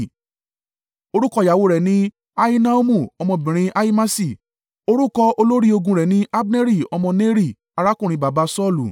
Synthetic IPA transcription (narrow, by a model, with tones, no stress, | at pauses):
o˧ɾu˦kɔ˧˨ja˨wo˨˧˦ɾɛ˨nĩ˦ | a˧i˦na˦o˦mũ˦˨ɔ˧mɔ̃˧bĩ˨ɾ̃ĩ˧ʔa˧i˦ma˦si˦˨ | o˧ɾu˦kɔ˧o˧lo˦ɾi˦o˧ɡũ˧ɾɛ˨nĩ˦ʔa˦bne˦ɾi˦˨ɔ˧mɔ̃˧ne˦ɾi˦˨ | a˧ɾa˦kũ˦˨ɾ̃ĩ˧ba˨ba˧˦sɔ˦˨lṵ˨